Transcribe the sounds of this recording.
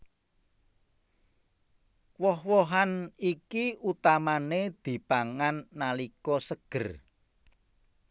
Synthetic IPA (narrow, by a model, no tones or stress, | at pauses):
wɔhwɔɦanikiut̪amaned̪̥i̤paŋanːalikɔsəɡ̥ə̤r